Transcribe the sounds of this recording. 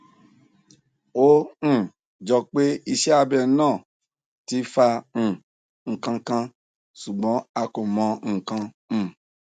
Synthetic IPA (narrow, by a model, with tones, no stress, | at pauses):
õ˦˨ | d͡ʒɔ˧k͡pe˦i˧ʃɛ˦a˧bɛ˧˨˦nãː˦˨ | ti˦fã˧˦˨ | ŋ̩˨kã˧kã˧ | ʃu˨ɡ͡bɔ̃˨˦a˧ko˨mɔ̃˨˧ŋ̩˦˨kã˧˦˨